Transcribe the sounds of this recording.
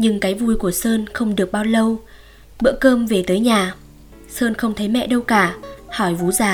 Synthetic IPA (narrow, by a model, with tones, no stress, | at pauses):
ɲɨ˧ŋkaː˨˦jvu˧jku˧˩əsəː˧nxə˧wŋ͡mɗɨ˨˩ək̚ɓaː˧wlə˧w | ɓɨ̰˧˥kəː˧mve˨˩t̪əː˨˦jɲaː˨˩ | səː˧nxə˧wŋ͡mt̪ʰə˨˦jmɛ̰˧˨ɗə˧wkaː˧˩hɔ˧˩jvu˨˦zaː˨˩